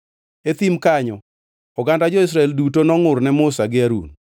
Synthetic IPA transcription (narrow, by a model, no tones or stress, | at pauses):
et̪imkaɲɔ | ɔɡandad͡ʒɔis̬ɾaɛldutonɔŋʊɾnɛmʊsaɡɪaɾṵn